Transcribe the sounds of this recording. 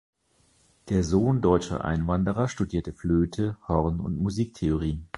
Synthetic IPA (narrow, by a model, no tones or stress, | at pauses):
d̥eːɐzoːndɔʏt͡ʃɐ̰ʔa̰ɪnvandəʁɐʃtudiːɐtəfløːtʰəhɔʁnʊ̰ntmuziːk̚tʰeoʁ̞iːən